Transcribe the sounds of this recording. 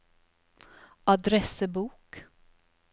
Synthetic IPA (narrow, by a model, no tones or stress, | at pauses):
ʔɑd̪ɾɛsəbuːk